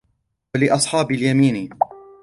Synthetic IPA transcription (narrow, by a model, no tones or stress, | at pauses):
walɪʔɑsˤħɑːbɪljamiːni